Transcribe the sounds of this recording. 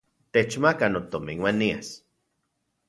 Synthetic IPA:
t̪et͡ʃmakanot̪omiŋwanias

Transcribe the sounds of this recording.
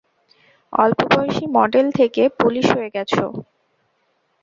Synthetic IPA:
ɔ̰lpobɔjʃimɔɖelt̪ʰekepuliʃɦoeɡɛt͡ɕʰo̰

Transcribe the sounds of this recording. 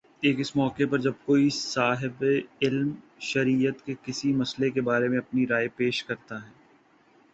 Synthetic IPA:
eːkɪsmɔːkepɐɾd͡ʒɐb̚koːisaːɦɪbeɪlm | ʃɐɾiːət̪kekɪsimɐslekebaːɾemẽɐpniɾaːepeːʃkɐɾt̪aɦɛː

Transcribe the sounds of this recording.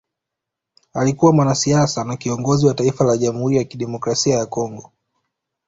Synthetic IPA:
alikuwamwanasiasanakiɔŋɡɔziwataifalaʄam̩huɾijakiɗɛmɔkɾasiajakɔŋɡɔ

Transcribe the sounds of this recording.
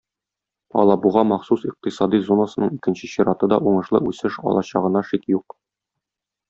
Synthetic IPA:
ɒ̰lˠɑbuʁɑmɒχsusiq̚t̪isɑd̪izonːasɤ̥̆nɤɴikɘ̆nɕɘɕiɾɑt̪ɤd̪ɒʔuɴɤ̆ʃlˠɤ̰ʔʉsɘʃɒ̰lˠɑɕɑʁɤ̆nɑʃikjuq

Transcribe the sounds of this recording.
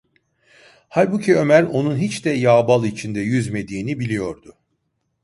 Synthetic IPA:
halʲbucʰiø̞mæɾo̞nunɦit͡ʃd̪ɛjaːbalˠit͡ʃʰind̪ɛjyzme̞d̪iːnibilʲijo̞ɾd̪ʊ

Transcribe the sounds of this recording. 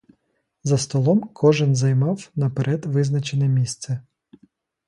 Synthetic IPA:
zɐst̪ɔlˠɔmkʰɔʒɪnzɐjmɑwnɐpeɾʔɛd̪ʋɪznɐt͡ʃenɛmʲist̪sɛ

